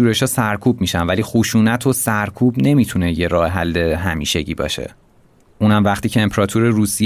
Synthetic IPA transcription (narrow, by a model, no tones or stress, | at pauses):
uːɾe̞ʃɒːsæɾkʰuːb̚miːʃænvæliːxoʃuːnæt̪ʰo̞sæɾkʰuːbne̞mit̪ʰune̞je̞ɾɒːheɦælːe̞ɦæmiːʃe̞ɟḭːbɒ̰ːʃe̞̰ | ʔunhæmvæχt̪iːcʰeːmpʰɾɒːt̪ʰuɾeɾuːsij